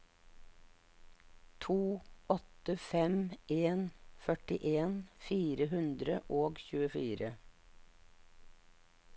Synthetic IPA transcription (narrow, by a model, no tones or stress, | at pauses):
t̪ʰuːɔt̪əfɛmeːnfœʈɪʔeːnfiːɾəhʉnd̪ɾəʔoːɡçʉːəfiːɾə